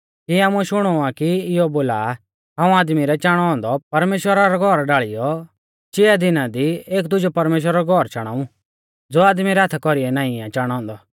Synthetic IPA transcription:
kiaːmũʃʊɽ̃ɔakiɪjɔboːla | ɦãːũaːd̪miɾɛt͡ʃaːɽ̃ɔɦɔ̃ːnd̪ɔpɐɾmeːʃwəɾaɾɔɡʱɔɾɖaːɭɪjɔ | t͡ʃɪːad̪ɪnãd̪ieːkd̪ʊd͡ʒɔpɐɾmeːʃ̬wəɾaɾɔɡʱɔɾt͡ʃaɽ̃a̰ːũ | d͡zoːaːd̪miɾɛat̪ʰɛkɔɾiɛnãːɪ̃ãt͡ʃaːɽ̃ɔ̃ɦɔ̃ːnd̪ɔ

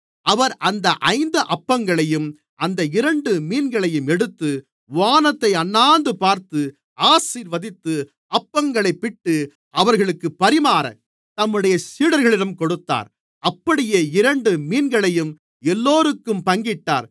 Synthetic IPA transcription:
ɐʋɐɾʔɐnd̪ɐʔɐɪnd̪ɐʔɐpːɐŋɡɐɭɐjɯm | ʔɐnd̪ɐɪɾɐɳɖɯmiːnɡɐɭɐjɯmɛɽɯt̪ːɯ | ʋaːnɐt̪ːɐɪɐnːaːnd̪ɯpaːɾt̪ɯ | ʔaːsiːɾʋɐðɪt̪ːɯ | ɐpːɐŋɡɐɭɐɪpːɪʈːɯ | ɐʋɐɾɣɐɭɯkːɯpːɐɾɪmaːɾɐ̰ | t̪ɐmːɯɽɐjɐsiːɽɐɾɣɐɭɪɽɐmkɔɽɯt̪ːa̰ːɾ | ɐpːɐɽɪjeːɪɾɐɳɖɯmiːnɡɐɭɐjɯm | ɛlːoːɾɯkːɯmpɐŋɡɪʈːa̰ːɾ

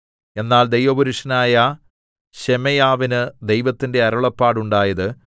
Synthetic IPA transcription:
e̞nːaːld̪e̞jʋɐbɐɾuʂɐnaːjɐ | ɕemɐjaːʋinɨd̪e̞jʋɐt̪ːinde̞ɐɾɐɭɐpːaːɽuɳɖaːjɐðɨ

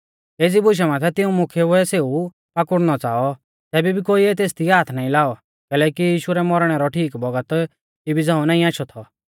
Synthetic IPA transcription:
eːd͡zibʊʃ̬ɛmãt̪ʰɛt̪ɪũmʊ̃kʰɛʊɛseːu | pakʊɽñɔt͡saːɔ | t̪ɛːbibʱikoːiet̪̬eːst̪iaːt̪ʰnaːĩlaːɔ | kɛːlɛːkijiːʃuɾɛmɔɾɽ̃ɛɾɔʈʰiːkbɔɡət̪ | kibʱid͡zãːũnaːĩaːʃʰɔt̪ʰɔ

